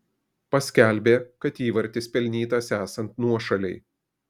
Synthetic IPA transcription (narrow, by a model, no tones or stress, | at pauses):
pɐsʲkʲæˑlʲbʲeːkɐt̪iːʋɐɾʲt̪ʲɪspʲɛlʲnʲiːt̪ɐsæːsɐnt̪nuɔʃɐlʲɛɪ